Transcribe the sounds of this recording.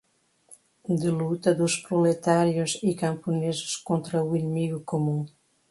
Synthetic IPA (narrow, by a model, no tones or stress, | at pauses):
d̪əlut̪ɐd̪uspɾolet̪aɾjozikãmpunezʊ̥skõnt̪ɾɐuinəmiɣukomũŋ